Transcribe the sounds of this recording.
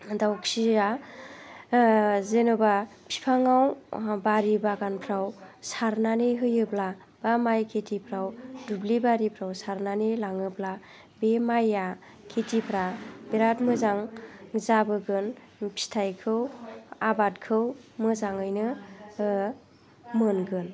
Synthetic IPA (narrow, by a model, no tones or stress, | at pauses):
dawksia | zenɯbapʰi̥pʰaŋawbaɾibaɡanpʰɾawsaɾnaneɦɯjɯpla | b̥amajkʰetʰipʰɾawdublibaɾipʰɾawsaɾnanelaŋɯpla | bemaja | kʰetipʰɾabeɾatmɯzaŋzabɯɡɯn | pʰi̥tʰajkʰɯwabat̚kʰɯwmɯzaŋɯjnɯ | mɯnɡɯn